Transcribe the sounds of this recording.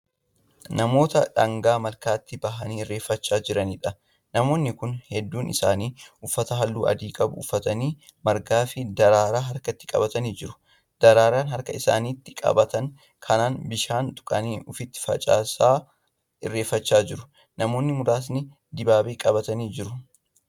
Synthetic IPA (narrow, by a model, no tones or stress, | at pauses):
nɐmo̞ːt̪ɐ̰ᶑɐŋɡaːmɐlkaːt̪ːɪbɐɦɐniːɪrːe̞ːfːɐt͡ʃːaːd͡ʒɪɾɐniːᶑɐ | nɐmo̞ːnːɪkʊnhɛd̪ːuːnʔɪ̰saːniːʊfːɐt̪ɐɦɐlːuːʔɐ̰d̪iːkʼɐbʊ̰ːfːɐt̪ɐniː | mɐɾɡaːfɪd̪ɐɾaːɾaːɦɐɾkɐt̪ːɪkʼɐ̰bɐt̪ɐniːd͡ʒɪɾʊ̥ | d̪̥ɐɾaːɾaːnɦɐɾkɐɪsa̰ːniːt̪ːɪkʼɐ̰bɐt̪ɐŋ | kʰɐnaːnbɪʃaːnt̪ʼʊ̥kʼɐ̰niːʊfɪt̪ːɪ̥fɐ̰t͡ʃʼa̰ːsaː | ɪrːe̞ːfːɐt͡ʃːaːd͡ʒɪɾʊ | nɐmo̞ːnːɪmʊd̪aːs̬nɪ | d̪ɪbaːbeːkʼɐbɐt̪ɐniːd͡ʒɪɾʊ